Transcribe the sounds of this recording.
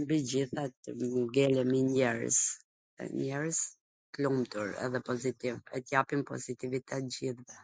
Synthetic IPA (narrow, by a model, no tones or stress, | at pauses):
mbid͡ʑiθat̪ɡɛlɛmiɲɛɾə̰s | ɛ̰ɲɛɾəs | klumt̪uɾɛ̰ðɛpɔzit̪ivɛt̪japimpɔ̰zit̪ivit̪ʰɛt̪̚d͡ʑiθvɛ